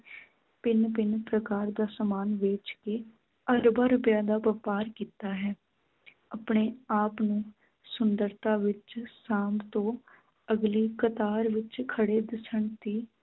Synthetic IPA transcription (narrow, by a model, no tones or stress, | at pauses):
pɪnpɪnpɾəkaːɾd̪aːsəmaːnʋeːt͡ʃkeː | əɾbaːɾʊpjãːd̪aːpəpaːɾkiːt̪aːɦɛː | apɳeːaːpnũː | sʊnd̪əɾt̪ãːʋɪt͡ʃsãːmbt̪õː | əɡliːkət̪aːɾʋɪt͡ʃkʰəɽeːd̪ɪsəɳt̪iː